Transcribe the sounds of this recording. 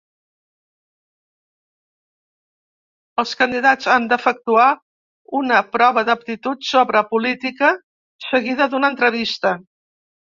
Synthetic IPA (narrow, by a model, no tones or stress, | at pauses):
əlˠskənd̪iðad͡zand̪əfək̚t̪ua | unəpɾɔβəðəp̚t̪it̪ut̪soβɾəpulit̪ikə | səɣiðəðunənt̪ɾəβist̪ə